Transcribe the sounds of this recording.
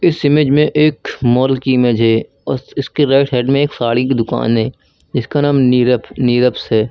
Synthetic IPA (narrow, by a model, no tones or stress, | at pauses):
ɪsɪmed͡ʒmẽʔeːkmɔːlkiɪmed͡ʒɦɛ | ɔɪskiɾɛːʈɦɛːɖmẽeːksaːɽikid̪ʊka̰ːnɦɛː | d͡ʒɪskanaːmiɾəniːɾəpsɦɛː